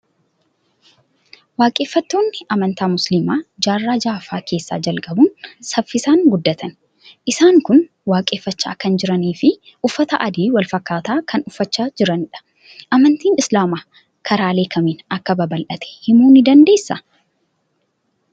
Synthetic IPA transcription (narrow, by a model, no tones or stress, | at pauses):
waːkʼe̞ːfːɐt̪ːoːnːɪʔɐmɐnt̪aːmʊslɪmaːd͡ʒaːrːaːd͡ʒaːfaːkʰe̞ːsːa̰ːd͡ʒɐlkʼɐbʊnsɐfːɪsaːŋɡʊd̪ːɐt̪ʰɐn | ʔɪsaːŋkʊn | waːkʼe̞ːfːɐt͡ʃːa̰ːkɐnd͡ʒɪɾɐniːfɪ | ʔʊfːɐt̪ɐʔɐd̪iːwɐlfɐkːaːt̪aːkʰɐnʊfːɐt͡ʃːaːd͡ʒɪɾɐnɪᶑɐ̥ | ʔɐmɐnt̪iːnɪslaːmaː | kʰɐɾaːle̞ːkʰɐmeːnɐkːɐbɐbɐlʔɐt̪ʰɛ̥hɪmuːnɪd̪ɐnd̪e̞ːsːɐ